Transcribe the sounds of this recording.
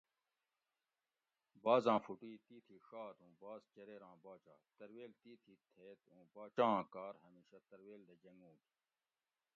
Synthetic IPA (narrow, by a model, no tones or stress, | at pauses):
baːzãːfuʈiːt̪iːt̪ʰiʂaːt̪ʰũːbaːzt͡ɕɐɾeːɾãːbaːt͡ɕa̰ːt̪ɐɾweːlt̪iːt̪ʰit̪ʰeːt̪ũːbaːt͡ɕãːkaːɾɦɐmiːɕɐt̪ɐɾweːld̪ɐd͡ʑɐŋɡũːɡ̪i̥